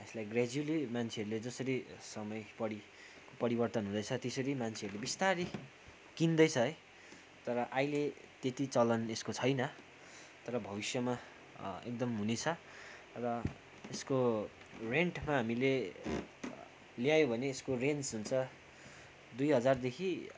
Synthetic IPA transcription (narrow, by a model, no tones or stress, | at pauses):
eslajɡrad͡zulimant͡sʰeʌɾuled͡zʌsʌɾisʌmʌjpʌɽi | kopʌɾibʌrt̪ʌnɦũd̪ʌjt͡sʰʌt̪esʌɾimant͡sʰeʌɾulebist̪aɾi | kind̪ʌjt͡sʰʌe | t̪ʌɾʌʔajle | t̪et̪it͡sʌlʌneskot͡sʰʌjnʌ | t̪ʌɾʌbʱʌβisjʌma | ḛk̚d̪ʌmɦunet͡sʰʌ | rʌ | esko | reɳʈmaɦamile | ljajõbʱʌneːskorensɦunt͡sʰʌ | d̪ujɦʌd͡zard̪ekʰi